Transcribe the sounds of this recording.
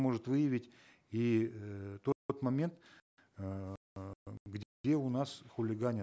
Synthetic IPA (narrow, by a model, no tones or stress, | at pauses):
mo̞ʐɨt̪vɨjɪvʲɪtʲ | i | t̪oot̪mɐmʲe̞nt̪ | ɡdʲdʲeʊnasxʊlʲɪɡanʲɪ